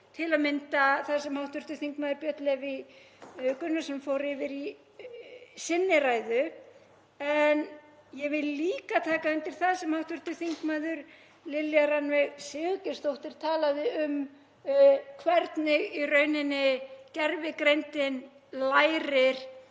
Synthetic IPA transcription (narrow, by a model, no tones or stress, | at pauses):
t̪ʰɪlaðmɪnt̪aθaðsɛmhawht̪vʏɾ̥t̪ʏ̥θiŋkmaːðʏɾpjœt̪lɛvɪ | kʏnːasɛmfowɾɪvɪɾi | sɪnːɪɾaːjðʏ | ɛn | jɛvɪlliːkat̪ʰaːkaɛnt̪ɪɾ̥θaðsɛmhawht̪vʏɾ̥t̪ʏθiŋkmaːðʏɾ | lɪljaɾanvɛɣsɪːɣʏcɪ̥st̪owht̪ɪɾ̥t̪ʰaːlaðɪʏm | kʰvɛɾt̪nɪɣirœːɥnɪnːɪcɛɾvɪkɾejnt̪ɪn | laːjɾɪɾ̥